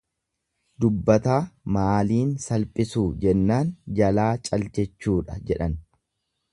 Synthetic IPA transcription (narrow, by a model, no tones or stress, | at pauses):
d̪ʊbːɐt̪aːmaːliːnsɐlpʼɪsuːd͡ʒɛnːaːnd͡ʒɐlaːt͡ʃʼɐlt͡ʃɛt͡ʃːuːᶑɐd͡ʒɛᶑɐn